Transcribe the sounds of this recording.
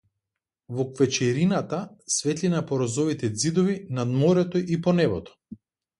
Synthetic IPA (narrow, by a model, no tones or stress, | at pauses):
vɔkvɛt͡ʃɛɾinat̪asvɛt̪linapɔɾɔzɔvit̪ɛd̪zid̪ɔvinad̪mɔɾɛt̪ɔʔipɔnɛbɔt̪ɔ̥